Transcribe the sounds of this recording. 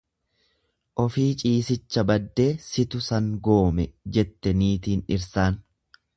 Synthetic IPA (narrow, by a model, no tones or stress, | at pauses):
ʔɔfiːt͡ʃʼiːsɪt͡ʃːɐbɐd̪ːe̞ːsɪt̪ʊsɐŋɡo̞ːmɛd͡ʒɛt̪ːɛniːt̪iːnɪɾsaːn